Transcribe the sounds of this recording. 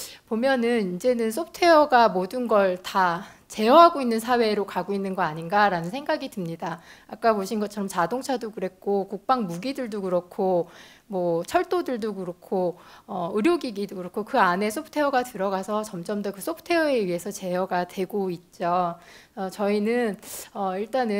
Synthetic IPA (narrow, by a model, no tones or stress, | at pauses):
pomjʌnɯnid͡ʑe̞nɯnsʰop̚tʰe̞ʌɡamodɯnɡʌɭta | t͡ɕe̞jʌɦaɡoinːɯnsʰawe̞ɾokaɡoinːɯnɡʌaɲinɡaɾanɯnsʰe̞ŋɡaɡitɯmɲidaak͈̚apoɕʰinɡʌt͡ɕʰʌɾʌmt͡ɕadoŋt͡ɕʰadokɯɾe̞k͈okuk̚p͈aŋmuɡidɯɭdokɯɾʌkʰo | mwʌt͡ɕʰʌɭt͈odɯɭdokɯɾʌkʰoʌɯɾjoɡiɡidokɯɾʌkʰokɯane̞s͈ʰopʰtʰe̞ʌɡatɯɾʌɡasʰʌt͡ɕʌmd͡ʑʌmdʌkɯs͈ʰopʰtʰe̞ʌe̞ɥiɦe̞sʰʌt͡ɕe̞jʌɡatwe̞ɡoit̚t͡ɕ͈oʌt͡ɕʌinɯnʌiɭt͈anɯ